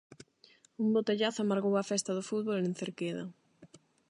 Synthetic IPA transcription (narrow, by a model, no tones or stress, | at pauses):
umbot̪eʎaθamaɾɣowɐfɛst̪ɐðʊfuðβolenθeɾkeðɐ̰